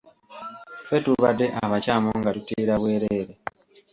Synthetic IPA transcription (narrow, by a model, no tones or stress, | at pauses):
fetuβadːe̞ʔaβacaːmoŋɡatutiːɾaβwe̞ːɾeːɾe